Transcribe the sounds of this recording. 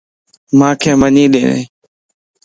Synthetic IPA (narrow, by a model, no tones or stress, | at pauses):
mãːkʰeːməɲĩːɗẽːnḛ̃ː